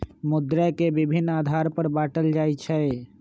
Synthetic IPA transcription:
mud̪ɾakebibʱinːad̪ʱaɾpəɾbaʈəld͡ʒajt͡ʃʰɛ

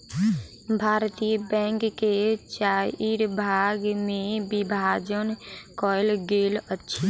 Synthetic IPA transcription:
bʱaɾt̪ijəbɛ̃ŋkːet͡ʃaiɾbʱaɡmẽbibʱad͡ʒənkɔɪlɡelətːʃʰi

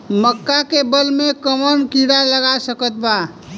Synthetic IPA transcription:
məkːakebəlmekəmənkiɽaləɡasəkət̪ba

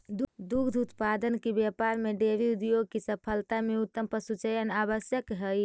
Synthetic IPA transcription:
d̪d̪uɡd̪ʱut̪pad̪ənkebjapaɾmeɖeʋiud̪ijoɡkesəpʰəlt̪ameut̪ːəmpəsut͡ʃəjənaβəsjəkɦəj

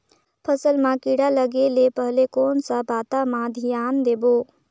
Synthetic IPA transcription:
pʰəsəlmãkiɽaləɡelepəɦlekɔːnsəbaːt̪amãd̪ʱijaːnd̪eːbo

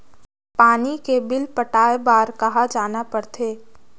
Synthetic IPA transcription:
paːnikebɪlpəʈaːebaːɾkɐɦad͡ʒaːnapɐɾt̪ʰeː

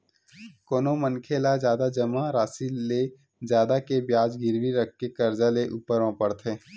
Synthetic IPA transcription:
koːnomənkʰeːlad͡ʒjaːd̪ad͡ʒɐmaɾaːsile | zjaːd̪akebjaːd͡ʒɡɪɾwiɾək̚ʰkekɐɾd͡ʒaleʔuːpəɾãpəɽt̪ʰeː

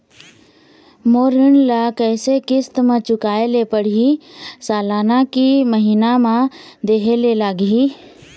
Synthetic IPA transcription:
moːɾɪnlakɛːsekɪst̪mãt͡ʃʊkaːelepəɽ̤iisaːlaːnakiməɦiːnamãd̪eːɦelelaːɡi

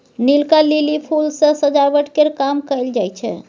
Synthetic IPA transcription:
nilkalilipʰulsə̃səd͡ʒabəʈkeɾkamkəld͡ʒajt͡ʃʰɛ̰

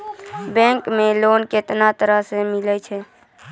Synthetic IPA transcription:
bɛ̃ŋkmẽloːnket̪nat̪əɾasemɪlɛt͡ʃʰɛ

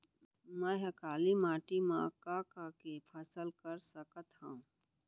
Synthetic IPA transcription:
mɛ̃ɦɐkaːlimaːʈimã̰kakakepʰəsəlkəɾsəkət̪hã

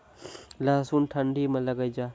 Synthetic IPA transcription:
laːsuːnʈʰəɳɖʱiːmẽlɐɡəid͡ʒaː

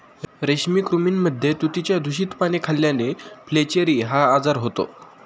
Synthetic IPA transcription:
ɾeɕmiːkɾumiːnməd̪ʱːjet̪ut̪it͡ɕjad̪ʱuɕiːt̪pañekʰalːjaneflet͡ɕeɾiːɦaːd͡zaɾɦot̪o̰

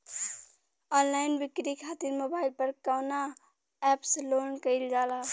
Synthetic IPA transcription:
ɔnlaɪnbikɾikʰat̪iɾmobaɪilpəɾkaʊna | ɛpslonkəɪld͡ʒala

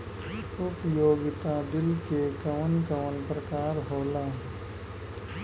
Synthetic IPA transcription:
ʊpjoːɡɪt̪ad̪ɪlkekəʋənkəːənpɾəkaːɾɦoːlaː

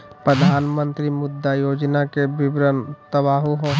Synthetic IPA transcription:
pɾəd̪ʱaːnmə̃nt̪ɾimʊd̪ʱːajoːd͡ʒnakebɪbɾənt̪əbaːɦuɦõ

